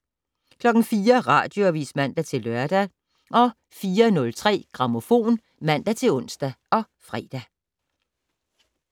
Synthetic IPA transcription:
kʰlɒ̽ɡ̥n̩fiːɐʁɑ̰̈ːd̥jo̝ʋḭːsmæn̰d̥æt͡sʰe̝lːɶɐd̥æ | ʔɒ̽ | fiːɐnɔ̽lt͡sʰʁɛ̰ːɡ̥ʁɑ̈mo̝fo̝̰ːn | mæn̰d̥æt͡sʰe̝lɔ̽n̰sd̥æʔɒ̽ | fʁɛ̰ːd̥æ

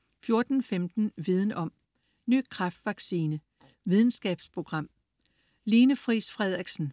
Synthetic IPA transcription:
fjo̝ɐd̥n̩femd̥n̩ʋið̞ˠən̩ɒ̽m̰ | ny̰ːkʰʁɑ̈fd̥ʋɑ̈ɡ̥siːnə | ʋið̞ˠn̩sɡ̥ɛ̰ːb̥spʰʁo̝ɡ̥ʁɑ̈m̰ | le̝ːnəfʁisfʁɛð̞̰ˠʁiɡ̥sn̩

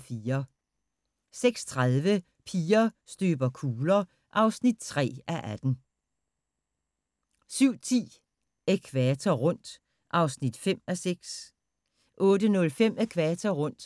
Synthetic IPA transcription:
fiːɐ | seɡ̥st͡sʰʁaðˠʋə | pʰiːɐsd̥øːb̥ɐkʰuːlɐ | ʔɑ̈ʊsnid̥̚t͡sʰʁɛ̰ːʔæʔæd̥n̩ | syʊ̰t͡sʰḭː | ekʰʋæt͡sʰɐʁɔ̽n̰d̥ | ʔɑ̈ʊsnid̥fem̰æseɡ̥s | ʔɔ̽ːdənɔ̽lfem̰ekʰʋæt͡sʰɐʁɔ̽n̰d̥

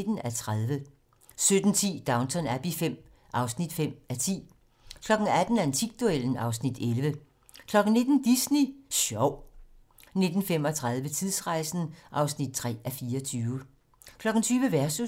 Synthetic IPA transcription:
d̥n̩æt͡sʰʁaðˠʋə | sød̥n̩t͡sʰḭːd̥ɑ̈ʊnt͡sʰɒnæb̥ifem̰ | ʔɑ̈ʊsnid̥fem̰æt͡sʰḭː | kʰlɒ̽ɡ̥n̩æd̥n̩æɐent͡sʰiɡ̥̚d̥uel̰n̩ɑ̈ʊsnid̥elʋə | kʰlɒ̽ɡ̥n̩ne̝d̥n̩d̥isniɕɒʊ̰ | ne̝d̥n̩fem̰ɒ̽t͡sʰʁað̞ˠʋət͡sʰiðˠsʁɑ̈ɪsn̩ʔɑ̈ʊsnid̥̚t͡sʰʁɛ̰ːæfiːɐɒt͡sʰyːʊ | kʰlɒ̽ɡ̥n̩t͡sʰyːʋəʋæɐsu

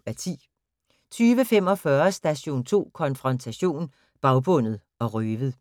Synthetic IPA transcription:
æt͡sʰḭː | t͡sʰyːʋəfem̰ɒ̽fɶɐsd̥æɕo̝̰ːnt͡sʰo̝̰ːkʰɒ̽nfʁɒ̽nt͡sʰæɕo̝̰ːn | b̥ɑ̈ʊb̥ɔ̽n̰ð̞̩ˠ | ɒ̽ʁøːʋð̩ˠ

